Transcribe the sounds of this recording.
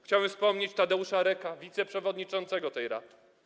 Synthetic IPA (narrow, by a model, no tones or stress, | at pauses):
xt͡ɕawɛmfspɔmɲet͡ɕt̪ad̪ɛuʂaɾɛkavʲit̪sɛpʂɛvɔd̪ɲit͡ʂɔnt̪sɛɡɔt̪ɛjɾa̰d̪ɘ̥